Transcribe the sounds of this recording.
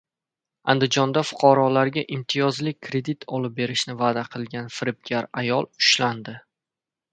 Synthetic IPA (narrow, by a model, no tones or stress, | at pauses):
a̰nd̪ɪd͡ʒɒnd̪afʊ̥qʰɑɾɒlaɾɡʲaʔɪmt̪ʰijɒzlɪk̚ʲkʰɾe̞d̪it̪ʰɒlɪp̚be̞ɾɪʃnɪvaːd̪aqʰɨlˠɡʲanfɪɾɪp̚ɡʲaɾajɒlˠʊ̥ʃland̪ɪ